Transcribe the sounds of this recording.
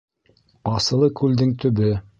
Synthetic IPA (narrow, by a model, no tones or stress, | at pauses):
ɑsɤ̆lˠɤkʉld̪ɘŋt̪ɵ̆βɘ